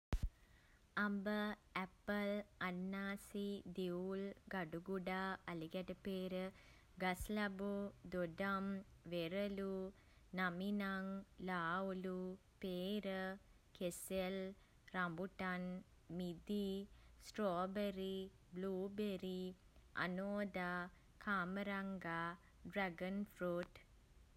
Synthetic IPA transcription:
ɐmbɨepːɐlɐnːaːsid̪eulɡɐɖuɡuɽaɐliɡɐɾɐpeːɾɨ | ɡɐslɐbud̪oɖɐmʋerɐlu | nɐminaŋlaːulu | peːɾə | kesel | ɾambuʈan | mid̪isʈroːbeɾi | bluːbeɾi | ɐ̰noːd̪a | kʰaːməɾaŋɡaː | ɖɾaɡənfɾuʈ

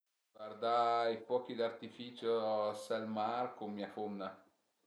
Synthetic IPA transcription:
ard̪aipɔk̟id̪art̪ifiːt͡ʃosɛlmarkommːiafomːa

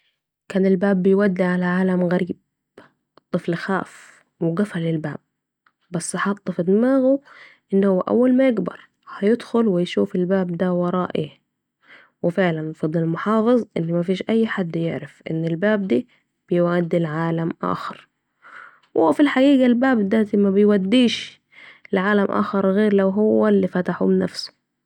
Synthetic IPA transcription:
kaːnɪlbaːbːɪjwad̪ːiʕalaʕaːlamɣaɾiːb̚ | t̪ˤːɨflxa̰ːf | wɪɡafalɪlba̰ːb̚ː | asːħɑːt̪ˤːɨfɪd̪ɪmaːɣu | ʔɪnːhʊwːaʔa̰wːalmajɪɡbɑ̰ɾˤ | hajɪd̪xʊlwɪjʃuːfɪlbaːbd̪awɑɾˤɑ̰ːʔi | wɪfɪʕlanfɑd̪ˤːɪlmʊħɑːfɨzˤʔɪ̰nːmafiːʃʔajːħad̪ːjɪʕɾɪfʔɪ̰nːɪlbaːb̚d̪iː | b̥ɪjwad̪ːilʕaːlamʔa̰ːxɑɾˤ | wʔfilħaɡiːɡalbaːbd̪ad̪imabɪjwad̪ːiːʃ | lʕaːlamʔa̰ːxɑɾˤɣeːɾlawɦʊwːalːifat̪aħʊ̰mnafsʊ̥

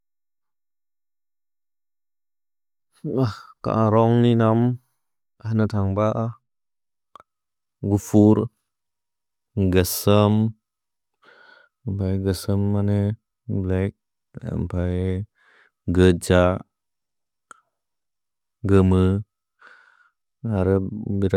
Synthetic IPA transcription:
ahka̰ʔaɾɔŋninam | anat̪ʰaŋbaʔa | ɡufuɾ | ɡəsəm | mpʰajɡəsəmːane | blɛk̚ | a̰mpʰaj | ɡəd͡ʒa | ɡəmɯ | aɾəbiɾ

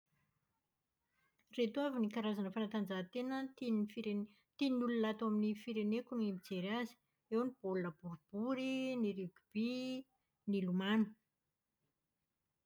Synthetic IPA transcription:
ret̪uavinikaɾazanəfanat̪and͡zaɦt̪enənfiɾ | t̪inulunat̪aminifiɾenekunemid͡zeɾazi̥ | ewnib̥olunəb̥uɾub̥uɾiniɾiɡub̥i | nilumanu̥

